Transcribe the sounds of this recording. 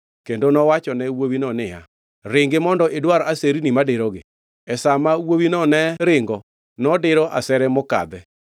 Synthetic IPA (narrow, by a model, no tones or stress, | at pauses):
kendonɔwat͡ʃɔnɛwowinɔneha | ɾeŋɡemɔndɔʔedwaɾɔʔaseɾinimadeɾɔɡe | ɛsamawowinɔnɛɾeŋɡɔ | nɔdeɾɔʔasɛɾɛmoka̰ðɛ